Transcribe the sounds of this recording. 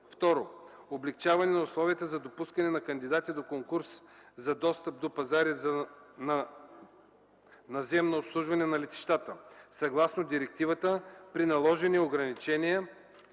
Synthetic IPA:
ft̪ɔɾo | oblɛkt͡ʃavɐnɛnɐʊslˠɔviət̪əzɐd̪opuskɐnɛnɐkɐnd̪id̪at̪id̪okoŋkuɾszɐd̪ɔst̪əp̚d̪opɐzaɾiznɐ | nɐzɛmnoːpslˠuʒvɐnɛnɐlɛt̪i̥ʃt̪at̪əsɐɡlˠasnod̪iɾɛk̚t̪ivət̪əpɾinɐlˠɔʒɛnioɡɾɐnit͡ʃɛnijɛ

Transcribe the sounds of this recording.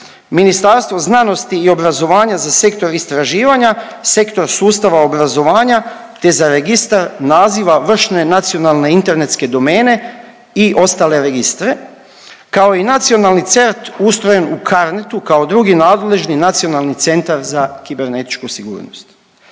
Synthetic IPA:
minist̪aɾst̪ʋo̞znano̞st̪iːo̞bɾazo̞ʋaːɲazase̞kt̪o̞ɾist̪ɾaʒiːʋaɲase̞kt̪o̞ɾsuːst̪aʋao̞bɾazo̞ʋaːɲa | t̪e̞zaɾeɡist̪aɾnaːziʋaʋr̩ʃne̞nat̪sio̞nalˠne̞int̪e̞ɾne̞t̪ske̞d̪o̞meːne̞ | iʔo̞st̪aːle̞ɾe̞ɡist̪ɾe̞ | kao̞inat̪sio̞nalˠnit̪se̞ɾt̪ust̪ɾo̞jenukʰaɾnet̪ukao̞d̪ɾuɡinaːd̪le̞ʒninat̪sio̞nalnit̪se̞nt̪aɾzakibe̞ɾne̞t̪i̥t͡ʃkusiɡṵːɾno̰st̪

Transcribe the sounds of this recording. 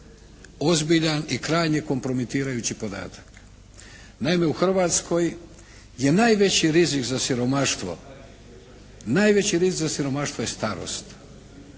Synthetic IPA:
o̞zbiʎanikɾaːjɲeko̞mpɾo̞mit̪iːɾajuːt͡ɕipo̞d̪a̰ːt̪ʰḁk | naime̞uxr̩ʋaːt̪sko̞j | je̞naːjʋe̞t͡ɕiɾizikzasiɾo̞maʃt̪ʋo̞̰ | najʋe̞t͡ɕiɾizikzasiɾo̞maʃt̪ʋojest̪aɾo̰st̪

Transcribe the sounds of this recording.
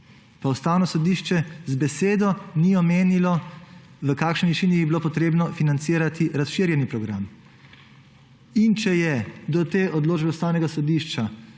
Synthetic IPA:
paust̪aːwnɔsɔd̪iʃt͡ʃɛzbɛseːd̪ɔniɔmeːnilɔ | ʋəkaːkʃnɔiʃiːnijibiloːpɔt̪ɾeːbnɔfinant̪siːɾat̪ʰiɾasʃiːɾjɛnipɾɔɡɾa̰m | int͡ʃɛjɛd̪ɔt̪eːʔɔd̪loːd͡ʒbɛust̪aːwnɛɡasɔd̪iʃt͡ʃa

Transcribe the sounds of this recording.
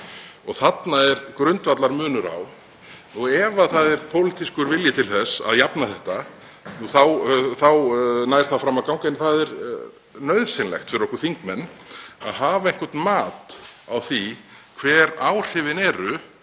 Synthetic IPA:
ɔɣθat̪naɛɾkɾʏnt̪vat̪laɾmʏːnʏɾa̰w | nuɛvaθaðɛɾ̥pʰowlɪt̪iskʏɾvɪljɪt̪ʰɪlθɛsːa̰ðjapnaθɛht̪a | nuθawθawnaːjɾ̥θafɾamakawŋkanɪθaðɛɾ | nœðvsɪnlɛ̰xt̪fɪɾɪɾɔhkʏɾ̥θiŋkmɛnːa̰ðɦaːvaɛŋ̥kɛɾt̪nmaːt̪awθikʰvɛːɾaːwr̥ɪvɪnɛːɾʏ

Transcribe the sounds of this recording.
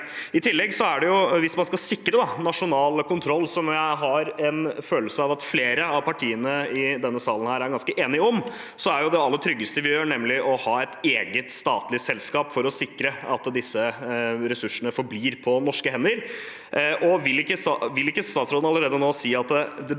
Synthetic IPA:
ɪt̪ʰɪlːɛɡsɔæɖɛjʊʋɪsmɑnskɑsɪkːɾəd̪ɑnɑʂʊnɑːlkʰʊnt̪ʰɾɔlːsɔmjæɪɦɑɾɛnføːləsəɑʋɑt̪fleːɾəɑʋpʰɑʈʰiːənəɪd̪ɛnːəsɑːlən̩hæːɾæɾɡɑnskəʔeːnɪɔm | sɔæɾjʊd̪ɛɑlːət̪ʰɾʏɡːəst̪əʋɪjøːɳɛmlɪʔɔhɑːɛt̪eːɡət̪st̪ɑːt̪lɪsɛlskɑːpfɔɾɔsɪkːɾəɑt̪d̪ɪsːəɾɛsʉʂəɳəfɔɾbliːɾpʰɔnɔʂkəhɛnːəɾ | ʔɔʋɪlːɪkːəsɑʋɪlːɪkːəst̪ɑːt̪sɾoːd̪nɑləɾeːd̪ənoːsiːɑt̪d̪ɛ

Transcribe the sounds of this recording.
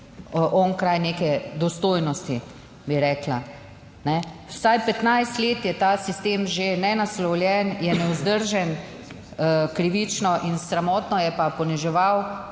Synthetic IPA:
ʔɔnkɾajneːkɛd̪ɔst̪oːjnɔst̪i | biɾɛːkla | nɛwsajpɛt̪najst̪leːt̪jɛt̪aːsist̪eːmʒenɛnaslɔwljɛnjɛnɛwzd̪əɾʒɛn | kɾiʋit͡ʃnɔʔinsɾamɔːt̪nɔjɛpapɔniʒɛʋaw

